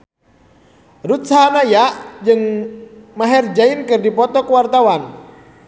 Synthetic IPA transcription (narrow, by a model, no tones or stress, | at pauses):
rut̪saɦanajad͡ʒɨŋ | maɦɛrd͡ʒainkɨrdipɔt̪ɔkuwart̪awan